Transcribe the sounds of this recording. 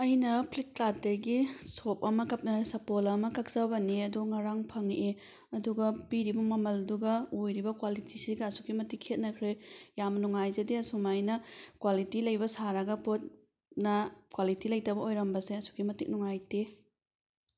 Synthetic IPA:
ɐjnɐpʰlit̚klateɾɡisop̚ɐmɐkɐp̚nɐsɐpolɐmɐkɐk̚sɐbɐneɐduŋaɾaŋpʰɐŋe | ɐduɡɐpiɾibɐmɐmɐlduɡɐojɾibɐkwalitisiɡɐɐsu̥kimɐtikʰːet̚nɐkʰɾejamnuŋajzediɐsumajnɐkwalitilɐjbɐsaɾɐɡɐpot̚ | nɐkwalitilɐjtɐbɐojɾɐmbɐseɐsu̥kimɐtik̚nuŋajte

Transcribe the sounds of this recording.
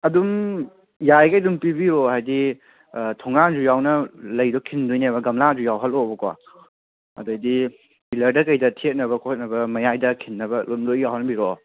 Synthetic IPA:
ɐdum | jajkajlumpibiɾɔɦajdi | tʰɔŋand͡ʒujawnɐlɐjdɔkʰindujnebɐɡɐmlad͡ʒujawɦɐlɔbɐkɔa̰ | ɐ̰dɐjdi | pilɐɾdɐkɐjdɐtʰiet̚nɐbɐkʰot̚nɐbɐmɐjajdɐkʰinːɐbɐlumdojjawɦɐnbiɾɔ

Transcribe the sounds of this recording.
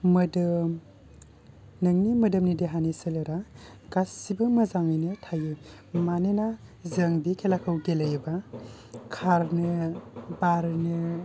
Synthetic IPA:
mɐdɯ | nɐŋnimɐdɐmnideɦanisɐlɐɾa | ɡ̥asibɐmɐzaŋɯjnɯtʰajɯ | manenazɐŋbikʰelakʰɯwɡelɐjba | kʰaɾnɯbaɾnɯ

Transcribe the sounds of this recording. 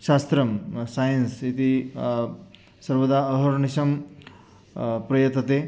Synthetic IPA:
ʃast̪ɾɐmsajənsit̪i | sɐɾʋɐd̪aɐɦɐɾɳiɕɐm | pɾɐjɐt̪ːɐt̪e

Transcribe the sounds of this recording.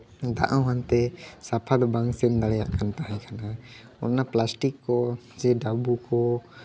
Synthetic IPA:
d̪a̰ʔãɦant̪ɛsapʰad̪baŋsɛnd̪aɽɛja̰ʔkant̪aɦɛkanaɔ̰nːaplasʈikːɔ | d͡ʒɛɖabukɔ

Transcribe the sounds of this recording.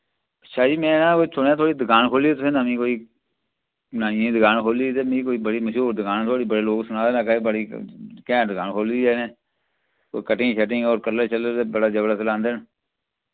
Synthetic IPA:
əʃʰaːd͡ʒiːmɛ̃ːnãːkoːiːsʰʊnãːt̪ʰoːɽiːd̪ɪkaːnkʰoːliːt̪̬seːnaːmĩːkoːiː | naːnɪjẽːd̪ɪkaːnkʰoːliːt̪emĩːkoːiːbəɽiːməʃuːɾd̪ɪkaːnt̪ʰoːɽiːbəɽeːloːɡsʊnaːd̪eːnãːkaːibəɽiːkɛ̃ːd̪əkaːnkʰoːliːeːnẽː | ko̰ːikəʈĩʃəʈɪ̃ːɡoːɾkələt͡ʃəleebəɽaːd͡ʒəbɽət̪lãːnd̪en

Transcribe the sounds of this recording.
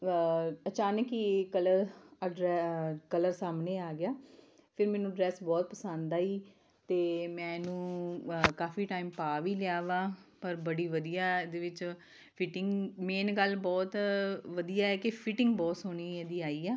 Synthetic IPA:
ət͡ʃaːnəkiːkələɾəɖɾɛkələɾsaːmnẽːaːɡɪjaː | pʰɪɾmɛ̃ːnũːɖɾɛːsbɔːt̪̚pəsə̃nd̪aːiː | t̪eːmɛ̃ːnũːkaːfiːʈaːimpaːʋiːlɪjaːʋãːpəɾbəɽiːʋəd̪ijaːd̪eːʋɪt͡ʃ | pʰɪʈɪŋɡmeːnɡəlbɔːt̪ʋəd̪ijaːɛːkepʰɪʈɪ̃ŋɡbɔːsɦoːniːɛːd̪iːaːiːaː

